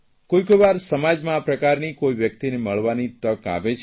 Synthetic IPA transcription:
kojkojʋaɾsəmad͡ʒmãapɾəkaɾnikoiʋjəkt̪ineməɭʋanit̪əka̰ʋet͡ʃʰ

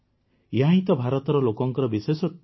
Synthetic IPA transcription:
jaĩt̪ɔbʱaɾɔt̪ɔɾɔlokɔŋkɔɾɔbisesɔ

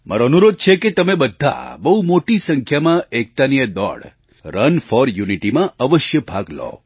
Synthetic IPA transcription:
mʔa̰ɾoənuɾod̪̚t͡ʃʰeket̪əmebəd̪ʱːa̰bəɦumoʈisəŋkʰjamãʔek̚t̪anijəd̪ɔ̰ɽ | ɾənfɔɾjuniʈimãəʋəʃjəbʱaɡlɔ̰

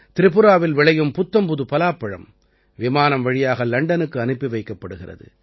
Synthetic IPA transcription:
t̪ɪɾɪpːɯɾaːʋɪlʋɪɭɐjɯmpʊt̪ːɐmpʊðɯpɐlaːpːɐɻɐ̰m | ʋɪmaːnɐmʋɐɻɪjaːɣɐlɐɳɖɐnɯkːɯɐnɯpːiʋɐɪkːɐpːɐɽɯɣɪrɐ̰ðɯ̰

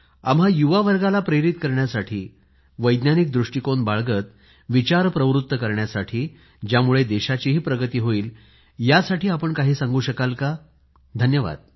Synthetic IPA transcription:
a̰mɦajuʋaʋəɾɡalapɾeɾit̪kəɾɳjasaʈʰiː | ʋəjd̪njanik̚d̪ɾuʂʈikonbaɭɡət̪ | ʋit͡ɕaɾpɾəʋɾut̪ːəkəɾɳjasaʈʰiː | d͡ʑjamuɭed̪eɕat͡ɕiɦiːpɾəɡət̪iːɦoiːl | jasaʈʰiːapəɳkaɦiːsãŋɡuːɕəkalka | d̪ʱənjəʋa̰d̪̥̚

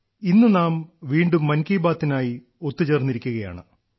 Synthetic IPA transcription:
inːɨnaːmʋiːɳɖumːɐnkiːbaːt̪ːinaːji | o̞t̪ːɨt͡ɕe̞ːrniɾikʲːuɣɐja̰ːɳɨ

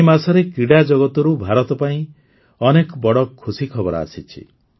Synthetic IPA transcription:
masɔɾekiɽad͡ʒɔɡɔt̪ɔɾubʱaɾɔt̪ɔpaĩ | ɔnekɔbɔɽɔkʰːusikʰɔbɔɾa̰sit͡ʃʰḭ

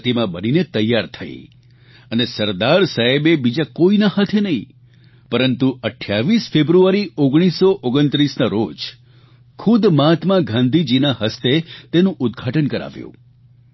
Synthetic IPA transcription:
t̪imãbəninet̪əjːaɾt̪ʰə̰ḭ | ənesəɾd̪aɾsaebebid͡ʒakoinahat̪ʰenəɦĩ | pəɾənt̪uəʈʰjaʋisfebɾuaɾioɡɽ̃isːoʔoɡənt̪ɾisnaɾod͡ʒ | kʰud̪mat̪mãɡʱãnd̪ʱid͡ʒinaɦəst̪et̪enũʔʊd̪ɡʱaʈənkəɾa̰ʋjṵ̃

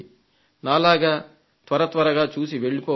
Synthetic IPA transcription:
naːlaːɡaː | t̪ʋɐɾɐt̪ʋɐɾɐɡaːt͡ʃuːsiʋe̞ɭːipɔː

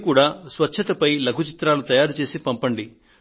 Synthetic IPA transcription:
kuːɽaːsʋɐtːʃʰɐt̪ɐpɐjlɐkut͡ʃit̪ɾaːlut̪ɐjaːɾut͡ʃe̞ːsipɐmpɐɳɖi

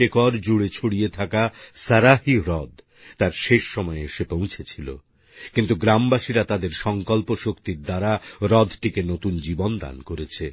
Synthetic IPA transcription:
ekɔɾd͡ʑuɽet͡ɕʰoɽijet̪ʰakasaɾahiɾɔd̪ | t̪aɾʃeʃːɔmɔeeʃepõw̃t͡ɕʰet͡ɕʰilo̰ | kint̪uɡɾambaʃiɾat̪ad̪eɾʃɔŋkɔlpoʃokt̪iɾd̪aɾaɾɔd̪ʱʈikenot̪und͡ʑibond̪a̰nkoɾet͡ɕʰe

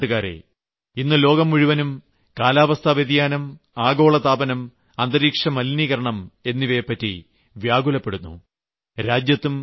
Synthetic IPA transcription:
ɨɣaːɾḛ | inːɨlo̞ːɡɐmːuɻiʋɐnum | kaːlaːʋɐst̪ʰɐʋeðijaːnɐm | aːɡo̞ːɭɐt̪aːbɐnɐm | ɐnd̪ɐɾiːkʂɐmɐlniːɣɐɾɐɳɐme̞nːiʋepːɐtːi | ʋjaːɡulɐpːe̞ɽunːṵ | ɾaːd͡ʑjɐt̪ːum

